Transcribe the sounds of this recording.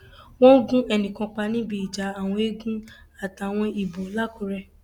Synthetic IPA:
wɔ̃˦ɡũ˦ɛ˨nĩ˨kã˧k͡pa˧nĩ˦bi˦i˨d͡ʒa˨a˨w̃ɔ̃˧e˦ɡũ˦ | a˦˨ta˨w̃ɔ̃˧i˨bo˨˦la˦˨ku˨ɾɛ˧

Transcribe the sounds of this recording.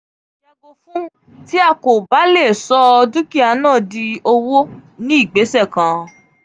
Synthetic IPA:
a˧ɡo˧fũ˦ | ti˦a˧ko˨ba˨˦le˦˨sɔ˦˧dũ˦ki˦a˧nãː˦˨di˧o˧wo˦nĩ˦i˦˨ɡ͡be˨˦sɛ˦˨kã˨

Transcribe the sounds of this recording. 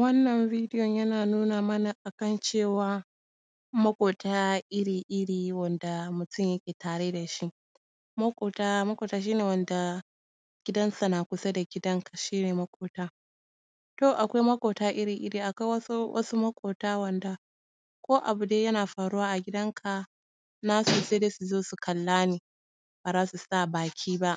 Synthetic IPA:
wɐ˦nːɐ˨ɱviː˦dɪ˦jɔ˨ɲjɐ˦naː˨nuː˦naː˨mɐ˦na˨ʔa˨kɐ˦nt͡ʃeː˦˨waː˨ | mɐ˦kʷʼoː˨taː˦ʔɪ˦ɽiː˨ʔɪ˦ɽiː˨wɐ˨nda˨mʊ˨tʊ˦˨ɲjɐ˦kʲeː˨taː˨ɽeː˦da˨ʃi˦ʔ | mɐ˦kʷʼoː˨ta˦mɐ˦kʷoː˨taː˦ʃ̬iː˦neː˨wɐ˦nda˨ | ɡ̥ʲɪ˦dɐ˦nsa˨na˨kʷʊ˦sa˦da˨ɡʲɪ˦dɐ˦ŋkʰḁ˨ʃiː˦neː˨mɐ˦kʷʼoː˨taː˦ | to˦˨ʔa˨kʷa˦jmɐ˦kʷʼoː˨taː˦ʔɪ˦ɽiː˨ʔɪ̰˦ɽiː˨ʔa˨kʷa˦wɐ˦wʔɐ̰˦su˦mɐ˦kʷʼoː˨taː˦wɐ˨nda˨ | kʷoː˦ʔa˨bu˨deː˦jɐ˦naː˨ɸaː˨ɽu˦waː˦ʔa˨ɡʲɪ˦dɐ˦ŋkʰa˨ | na˦suː˨seː˦deː˦su˨zoː˦su˨kʰɐ˨lːaː˦neː˨ | b̥aː˨zaː˦su˨saː˦˨baː˨kʲʰiː˦ba˦ʔ

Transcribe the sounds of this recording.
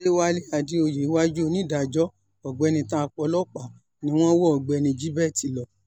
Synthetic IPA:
e˦wa˦le˦a˧˨di˦o˧˨je˨˦wa˦d͡ʒu˦o˧nĩ˦da˨d͡ʒɔ˨˦ | ɔ˨ɡ͡bɛ˨˧nĩ˧tã˦a˧k͡pɔ˧˦lɔ˦k͡pa˨ | nĩ˧˦w̃ɔ̃˦wɔ˦ɔ˨ɡ͡bɛ˨˧nĩ˧d͡ʒi˦bɛ˦˨ti˨lɔ˨

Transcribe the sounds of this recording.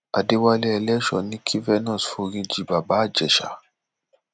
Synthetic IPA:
a̰˨de˧˦wa˧lɛ˧˦ɛ˧lɛ˦ʃɔ˨nĩ˦kʰi˦vɛ˦nɔ̃˦˨sfo˧ɾĩ˧d͡ʒi˨ba˨baː˨˦˨d͡ʒɛ˨ʃa̰˨˦

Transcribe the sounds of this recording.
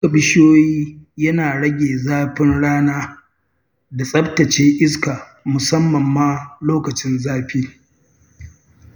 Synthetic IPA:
kɐ˨bɪ˦ʃjoː˦jiː˦jɐ˦naː˨ɽɐ˦ɡʲeː˨zaː˦ɸɪ˦nɽaː˦naː˦ | da˨sʼɐ˦btɐ˨t͡ʃeː˦ʔɪ˦ska˨ | mʊ˨sɐ˦mːɐ˨mːaː˦loː˦kɐ˨t͡ʃɪ˦nzaː˦ɸiː˦

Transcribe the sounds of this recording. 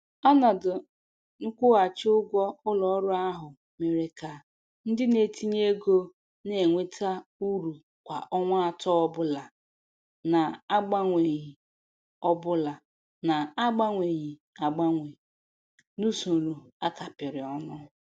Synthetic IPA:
a˦na˨dʊ˨ | ŋ̩˦kʷʊ˦ɣa˨t͡ʃɪ˦ʊ˦ɡʷɔ˦ʊ˦lɔ˨ɔ˦ɾʊ˦a˦ɦʊ˨ | me˨ɾe˨ka˨ | n̩˦dɪ˦ne˨ti˦ɲe˦ɡo˦ | ne˨ŋʷe˦tʰa˦u˦ɾu˨ | kʷa̰˨ʔɔ˦ŋʷa˦a˦tɔ˦ɔ˦bʊ˦la˨ | na˨a˦ɡ͡ba˦ŋʷe˨ɲi˨ | ɔ˦bʊ˦la˨ | na˨a˦ɡ͡ba˦ŋʷe˨ɲi˨ | a˨ɡ͡ba˦ŋʷe˨ | nu˦so˨lu˨ | a˦ka˨pɪ˨ɾɪ˨ɔ˦nʊ˦

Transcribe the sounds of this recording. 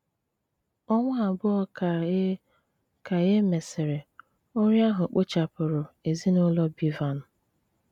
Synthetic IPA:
ɔ˦ŋʷa˦a˨bʊ˦ɔ˦˨ | ka˨ɣe˦me˨sɪ˨ɾɪ˨ | o˦ɾja˦ɦʊ˨k͡pʊ˦t͡ʃa˨pʊ˨ɾʊ˨e˨zi˦nʊ˦lɔ˦bi˨va˨nʊ˨

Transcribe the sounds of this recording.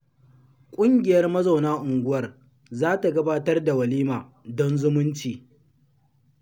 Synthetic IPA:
kʷʼʊ˦ŋɡʲɪ˨jɐ˦rmɐ˦za˨wnaː˦ʔʊ˨ŋɡʷʊ˦wɐ˦r | zaː˦ta˨ɡɐ˦baː˦tɐ˦rda˨wɐ˨liː˦maː˨ | dɔ˦nzʊ˦mʊ˦nt͡ʃiː˨

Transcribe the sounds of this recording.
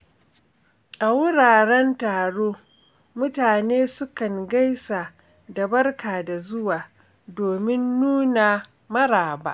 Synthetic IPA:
ʔa˨wʊ˦ɽaː˨ɽɛ˦ntaː˨ɽoː˦ | mʊ˦taː˨neː˦sʊ˦kɐ˨ŋɡa˦jsa˨ | da˨bɐ˦rkaː˨da˨zʊ˦waː˨ | doː˨mɪ˦nːuː˦na˨ | mɐ˦ɾaː˨ba̰ː˦ʔ

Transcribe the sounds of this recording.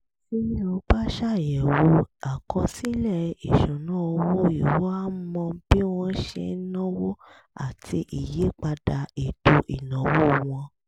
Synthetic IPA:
sĩ˦o˧ba˦ʃa˦˨jɛ˨wo˧˦a˨kɔ̃˧si˦lɛ˦˨i˨ʃũ˨nã˦o˧wwo˦i˨wo˦a˦mɔ̃˧˦b̥i˦w̃ɔ̃˧˦ʃḛ˧˦nɔ̃˦wo˦ | a̰˦˨tʰi˧ʔi˨je˨˦k͡pa˧da˧e˨to˧ʔi˨nɔ̃˨wo˦˨w̃ɔ̃˧

